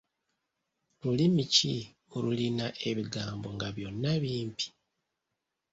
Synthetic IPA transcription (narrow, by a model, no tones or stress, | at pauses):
lulimici | oɾulinaʔe̞βiɡaːmbo̞ŋɡaβjo̞nːaβiːmpi̥